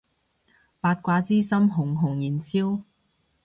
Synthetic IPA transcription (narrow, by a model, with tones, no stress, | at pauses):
paː˧t̚kʷaː˧t͡siː˥sɐ˥mɦʊ˨˩ŋɦʊ˨˩ŋjiː˨˩nsiː˥w